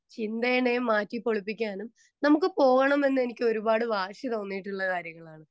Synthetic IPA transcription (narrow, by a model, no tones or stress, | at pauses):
t͡ɕind̪ɐjɐɳejumːaːtːipːo̞ɭupːikʲːaːnum | nɐmukːɨpo̞ːɣɐɳɐme̞nːɨe̞nikʲːo̞ɾubaːɽɨʋaːʂit̪o̞ːnːijiʈ̬ːuɭːɐkaːɾjɐŋːɐɭaːɳɨ